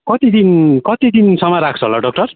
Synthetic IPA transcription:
kʌt̪id̪inkʌt̪id̪insʌmaɾak̚ʰt͡sʰʌɦlaɖʌk̚ʈʌr

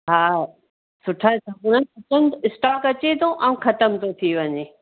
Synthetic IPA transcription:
ɦaː | sʊʈʰat̪ʰakʊnənɐtənt̪ɪsʈaːkɐt͡ɕed̪õʔɐ̃ũxɐt̪əmt̪ot̪ʰiʋɐɲeː

